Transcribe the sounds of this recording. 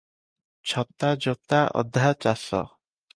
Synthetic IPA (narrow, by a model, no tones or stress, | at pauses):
t͡ɕʰɔp̚t̪ːad͡ʑɔt̪ːaʔɔ̰d̪ʱːat͡ʃasɔ̰